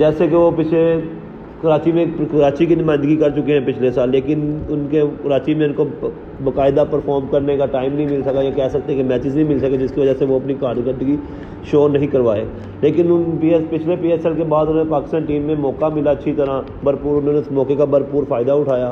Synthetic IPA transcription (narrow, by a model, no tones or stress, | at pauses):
d͡ʒɛːsekeʋopɪt͡ʃʰle | kəɾaːt͡ʃimẽkɐɾaːt͡ʃikinɪmaːɪ̃nd̪əɡikəɾt͡ʃʊkeɦɛ̃ːpɪt͡ʃʰlesaːlːeːkɪnʊnkekəɾaːt͡ʃimẽʊnko | bəkaːɪd̪apəɾfʰɔːɾmkəɾnekaʈaːɪmnəɦĩmɪlsəkajãkɛɦsək̚t̪ekemɛːt͡ʃɪd͡ʒnəɦĩmɪlsəked͡ʒɪskiʋəd͡ʒaseʋoɐpnikaːɾkə̃nd̪ɡi | ʃoːnɐɦĩkəɾʋaːḛː | leːkɪnʊnpiːspɪt͡ʃʰlepiːɛsɛlkebaːd̪ʊnoːnepaːkɪst̪aːnʈiːmːẽmɔːkamɪlaət͡ʃːʃʰit̪əɾã | bəɾpuːɾʊnõːnemɔːkekabəɾpuːɾfʰaːɪd̪aʊʈʰaːjaː